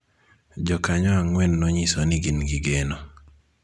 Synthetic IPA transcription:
d͡ʒɔkaɲɔaŋwɛnːɔɲisonɪɡinɡiɡeno

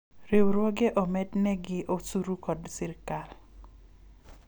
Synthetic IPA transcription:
ɾewɾwɔɡɛʔɔmɛdnɛɡɪʔosuɾukɔdsɪɾkal

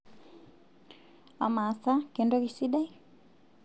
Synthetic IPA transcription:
a̰masakɛndɔɣisidaj

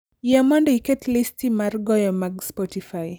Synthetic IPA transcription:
jɛmɔndɔiketlistimarɡɔjɔmaɡspɔtifaj

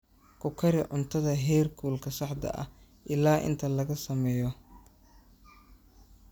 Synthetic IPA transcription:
kʰʊkʰɐɾɪʕʊnt̪ʰɐðɐɦɛːrkʰuːlkʰɐsɑħd̪ɐ̰ʔɐ̰ | ʔɪlaːʔɪ̰nt̪ʰɐlɐɣɐsɐmɛːjɔ

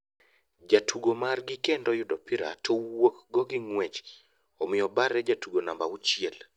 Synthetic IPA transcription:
d͡ʒatʰuɡomarɡɪkendɔjʊdɔpiɾa̰towokɡɔɡɪŋwɛt͡ʃ | ɔmɪjɔbaɾɛd͡ʒatuɡonambaut͡ʃiɛl

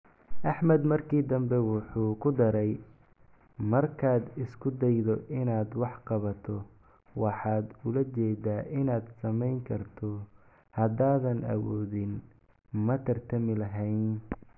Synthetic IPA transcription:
ʔɑħmɐd̪mɐrkʰiːd̪ɐmbɛwʊħuːkʰʊd̪ɐɾɛj | mɐrkʰaːd̪ɪskʰʊd̪ɛjðɔʔɪnaːd̪wɑħqɑβɐt̪ʰɔ | wɑħɑːd̪ʊlɐt͡ʃɛːd̪aːʔɪnaːd̪sɐmɛjŋkʰɐrt̪ʰɔ | hɐd̪aːðɐnʔɐ̰wɔːðɪn | mɐt̪ʰɐrt̪ʰɐmɪlɐɦɛjn

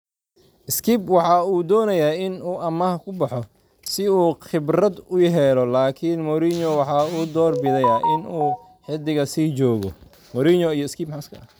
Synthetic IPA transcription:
ʔɪskʰiːbwɑħɑːuːd̪ɔːnɐjaːɪnuːʔɐmɐhɐkʰʊbɑħɔ | sɪuːχɪbrɐd̪ʊjɦɛlɔlaːkʰɪnmɔɾiɲɔwɑħɑːuːd̪ɔːrbɪðɛjaʔɪnuː | ħɪd̪ɪɣɐsiːt͡ʃɔːɣɔ̰ | mɔɾiɲɔijɔɪskʰiːbmħɑːskʰɐɐ

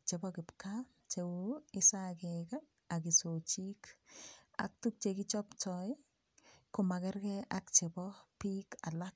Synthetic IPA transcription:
t͡ʃebɔkɪpka | t͡ʃewuɪsakɛka | akisot͡ʃik | a̰k̚tuk̚t͡ʃekit͡ʃɔpt͡ʃɔj | kʊmakɛrkɛʔak̚t͡ʃebɔpikalak̚

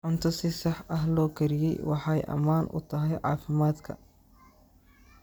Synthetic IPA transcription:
ʕʊnt̪ʰɔsɪsɑħɐɦlɔːkʰɐɾɪjɛ̰jwɑħɑjʔɐ̰maːnʔʊ̰t̪ʰɐɦɛjʕɑːfɪmaːd̪kʰɐ̰

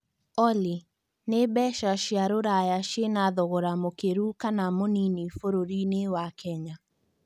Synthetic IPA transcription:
ɔli | nebɛʃaʃjaɾoɾajaʃenaðɔɣoɾamokeɾukanamoninifoɾoɾinewakʰɛɲa

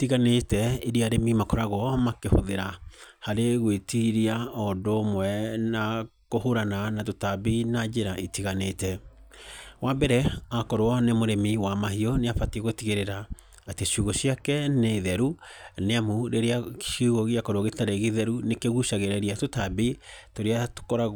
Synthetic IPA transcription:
tiɣanetɛiɾeaɾemimakɔɾaɣɔmakeho̰ðeɾahaɾeɣwetiɾiaɔdomwɛnakohoɾananat̬otabinad͡ʒeɾaʔitiɣanetɛ | wabɛɾɛakɔɾoɔnemoɾemiwamahiɔneafatieɣotiɣeɾeɾaː | teɕjuɣoɕiakɛneðɛɾuneamuɾeɾeaʃuɣoɣeakɔɾoɔɣetaɾeɣeðɛɾunekeɣuʃaɣeɾɛɾiatotabitoɾeato̥kɔɾa

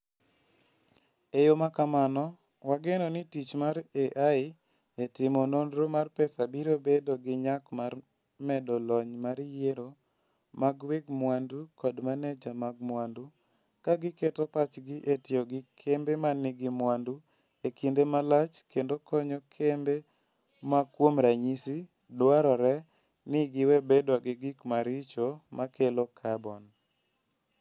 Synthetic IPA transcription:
ejomakamanɔ | waɡenonitit͡ʃmaɾeʔaɪ | etɪmonondɾomarpɛsabiɾobedoɡɪɲakmar | mɛdɔlɔɲmaɾjeɾo | maɡweɡmwandukɔdmanɛd͡ʒamaɡ̚mwandu | kaɡɪketɔpat͡ʃɡɪʔetɪɔɡɪkʰembemanɪɡɪmwandu | ekindemalat͡ʃkendokʰɔɲokʰembe | makwomɾaɲisi | dwaɾɔɾɛ | nɪɡɪwɛbedɔɡɪɡɪkmaɾɪt͡ʃomakʰelokʰabɔn

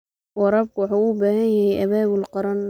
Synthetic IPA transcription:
wɑɾɐːb̚kʰʊwɑħuːuːbaːɦɐnjɐhɛjʔɐβaːβʊlqɑɾɐn

